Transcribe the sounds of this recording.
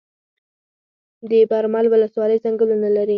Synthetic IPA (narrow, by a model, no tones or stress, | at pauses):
d̪əbaɾmalwʊləswɑləjzaŋɡəlunalaɾi